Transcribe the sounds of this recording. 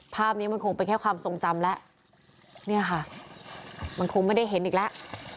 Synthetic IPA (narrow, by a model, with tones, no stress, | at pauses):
pʰaː˥˩p̚niː˦˥ma˧nkʰo˧ŋpe˧nkʰɛː˥˩kʰwaː˧mso˨˧˩ŋt͡ɕa˧mlɛ˦˥ʔ | ni˥˩ɐkʰa˥˩ | ma˧nkʰo˧ŋma˥˩jda˥˩jɦe˨˩˦nʔiː˨˩klɛ˦˥ʔ